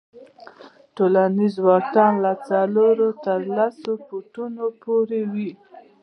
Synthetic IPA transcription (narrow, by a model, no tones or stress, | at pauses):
ʈolanizwɑtɑnlat͡saloɾot̪əɾlasopuʈunopoɾewi